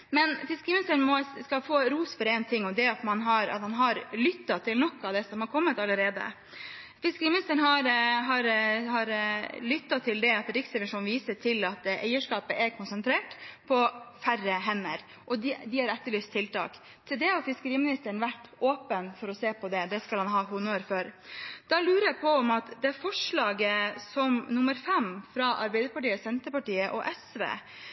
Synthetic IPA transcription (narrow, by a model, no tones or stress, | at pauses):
mɛnfɪskəɾiːmnɪst̪əɳ̩mɔskɑfoːɾuːsfɔɾɛɪnt̪ʰɪŋːɔd̪ɛɑt̪mɑnɦɑɾɑ̰t̪hɑnɦɑɾlʏt̪ːɑt̪ʰɪlnɔkːɑʋd̪ɛsɔmhɑɾkʰɔmːət̪ɑlːəɾeːd̪ə̰ | fɪskəɾiːmɪnɪst̪əɳ̩ɦɑɾɦɑɾhɑɾlʏt̪ːɑt̪ʰɪld̪ɛɑt̪ɾɪksɛʋɪʂuːnʋiːsəʈʰɪlɑt̪æɪəʂkɑːpəʔɛɾkʰʊnsɛnt̪ʰɾeːʈpʰɔfærəɦɛnːəɾ | ʔɔd̪ɪhɑɾɛt̪ːəɭyːst̪ʰːɪlt̪ɑ̰ːk | t̪ʰɪld̪ɛhɑɾfɪskəɾiːəmɪnɪst̪əɳʋæʈːoːpənfɔɾɔseːpʰɔd̪ɛd̪ɛskɑlhɑnɦɑːɦʊnːoːɾføːɾd̪̥ɑlʉːɾəjæpʰɔɔmɑt̪d̪ɛæfɔʂɭɑːɡəsɔmnʊmːəɾfɛmfɾɑʔɑɾbɛɪd̪əɾpɑʈiːəsɛnt̪əɾpɑʈiːəʔɔʔɛsʋḛː